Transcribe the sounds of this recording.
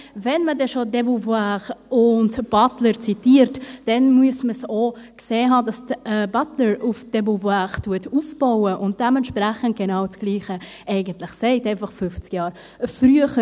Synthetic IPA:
vɛnmədɛʃodɛbuvaχʊntb̥ɑtləɾt͡sitiːəɾtd̥ɛnmuəsməsokseːɦɑːdɑstəbɑtləɾʔufd̥ɛbulvaχtuətufb̥aʊəʔʊnt̚d̥ɛmɛntʃpræχənt̚ɡ̥enaʊt͡sɡ̥liːχə | ʔɛɪɡəntlɪχsɛɪtɛɪfɑχfʏft͡skjɑːɾ | fryəχə

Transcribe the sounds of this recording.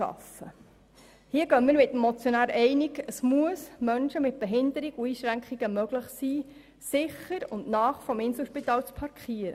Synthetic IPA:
ɑ̰sə̰ | hiəɡœnmiːəɾmɪt̪əmːɔt͡sjonæːɾɛɪniɡəsmuəsmœnʃəmɪt̪̚b̥ɛɦɪnd̪əɾiɡuiːʃɾæŋkχiɡ̥əmœɡ̥ləχsiː | sɪχəɾʊndnɑːχfɔmɪnsl̩ʃpit̪ɑːlt͡spʰɑɾkʰχiːəɾə̰

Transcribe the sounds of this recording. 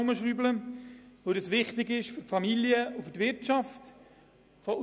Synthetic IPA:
ʊməʃryːbləʋodɑsʋɪχtɪɡɪʃfʏtfɑmiljəʊfʏtvɪtt͡ʃɑft | fɔ

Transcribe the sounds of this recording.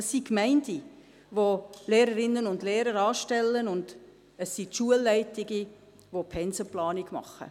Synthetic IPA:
əsːikmɛɪndi | voleːɾəɾɪnːənʊndleːɾəɾɑːʃtɛlːənʊnd̥ | əsːitʃuəlːɛɪtɪɡi | ʋopʰɛnsəplɑːniɡmɑ̰χːə̰

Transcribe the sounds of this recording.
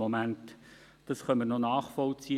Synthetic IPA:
omænt | d̥ɑsχœnməɾnonɑːχfɔlt͡si

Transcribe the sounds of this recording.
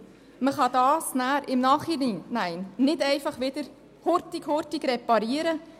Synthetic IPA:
məχɑd̥̪ɑːsnæːɾɪmnɑːχininæɪnnɪdɛɪfɑχʋɪd̥̪əɾ | hʊɾtɪkhʊɾtɪɡɾɛpɑɾiːəɾə

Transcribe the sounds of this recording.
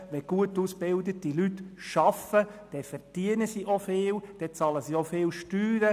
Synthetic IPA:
ʋɛɡ̥uətusb̥ɪld̪ətilytʃɑfəd̥ɛfɛd̥iənəsiʔofɪːld̥ɛt͡sɑləsiofɪːlʃtyːɾə

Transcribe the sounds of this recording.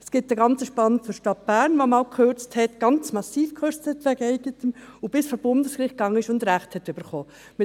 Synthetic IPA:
ɛsɡ̥ɪtdəɡɑnt͡səʃpɑnət͡sʊɾʃtɑt̚b̥æːɾnʋomɑːlkʰχøɾt͡sthɛtɡ̥ɑnt͡smɑsiːfkʰχøɾt͡sthɛtʋɛɡɛɪɡ̥ətəmʊb̥ɪsfoːb̥ʊndəsɡɾɪχt̚ɡ̥ɑŋːəɪʃʊndɾæχthɛtʏb̥əɾχoː | mɪ

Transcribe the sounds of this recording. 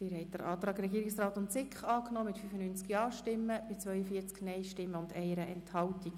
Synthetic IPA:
tiːɾɦɛɪtd̥̪əɾʔɑːt̪rɑːɡɾɛɡiːɾɪksrɑːt̪ʊntsɪkχɑːknɔːmɪtfyfənynt͡skjɑːʃtɪmːəb̥ɪt͡sʋœʏəfiːt͡sknɛɪʃtɪmːəʊndɛɪəɾəʔɛ̰nthɑltik

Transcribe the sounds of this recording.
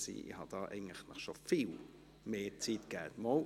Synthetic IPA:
sḭːḭhɑd̥ɑːʔɛ̰ɪɡŋ̩tləχnəχʃofil | meːt͡siːtɡ̥ɛːtmɔl

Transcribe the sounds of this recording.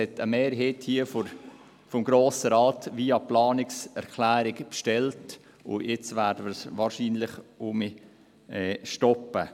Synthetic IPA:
ɛtʰəmeːɾɦeːthiəfo | fɔmɡɾoːsəɾɑːtʋiːɑplɑːnɪksɛɾkʰlæːɾɪɡpʃtɛlt | ʊ̰jɪt͡sʋæːɾdəməɾsʋɑːɾʃiːnlɪχʊmi | ɛːʃtɔpːə

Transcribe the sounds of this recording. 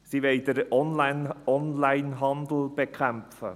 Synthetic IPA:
siʋeɪd̪əɾɔnlanɔnlaɪnɦɑnd̪l̩b̥ekʰχæmfə̰

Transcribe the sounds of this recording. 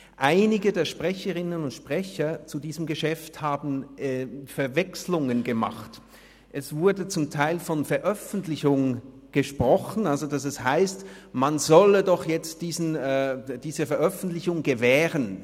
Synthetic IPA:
ʔaɪnɪɡədeːɐʃpʁ̥ɛçəʁɪnənʊntʃpʁ̥ɛçɐt͡sudiːzəmɡəʃɛfthaːbn̩ɛːfɛɐvɛkslʊŋənɡəma̰χt | ʔɛsv̥ʊɐdət͡sʊmtʰaɪlfɔnfɛɐʔœfn̩tlɪçʊŋ | ɡ̥əʃpʁ̥ɔχn̩alzod̥as̬ɛshaɪstmanzɔlədɔχjɛt͡std̥iːzn̩ːd̥iːzəfɛɐʔœfn̩tlɪçʊŋɡəvɛːʁən

